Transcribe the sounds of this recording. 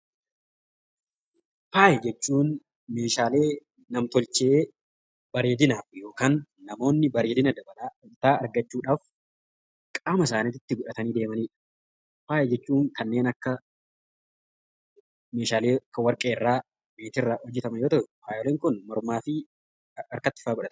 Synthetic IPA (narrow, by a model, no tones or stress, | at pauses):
faːjɛd͡ʒɛt͡ʃːuːn | me̞ːʃaːle̞ː | nɐmt̪ɔlt͡ʃee | bɐɾe̞ːd̪ɪnaːfjo̞ːkaːnːɐmo̞ːnːɪbɐɾeːd̪ɪnɐd̪ɐbɐlaːɪt̪aːɐɾɡɐt͡ʃːuːᶑaːf | kʼaːmɐs̬aːnit̪ɪt̪ːɪɡʊᶑɐt̪ɐniːd̪e̞ːmɐniːᶑɐ̥ | faːjɛd͡ʒɛt͡ʃːuːŋkɐnːe̞ːnɐkːɐ | me̞ːʃaːle̞ːɐkːɐwɐɾkʼeːɪrːaː | meːt̪ɪrːahɔd͡ʒːɛt̪ɐmɐnjo̞ːt̪ɐʔɛfaːjɔleːŋkʊnmɔɾmaːfɪ | ɐɾkɐt̪ːɪ̥faːɡʊᶑɐt̪